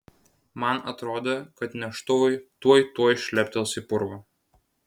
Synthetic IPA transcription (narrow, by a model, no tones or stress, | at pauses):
mɐnɐt̪ɾoːd̪ʲɐkɐt̪nʲɛʃt̪ʊʋɐɪt̪uɔjt̪uɔjʃʲlʲɛpʲt̪ʲɛlˠsʲɪpʊɾʋɐ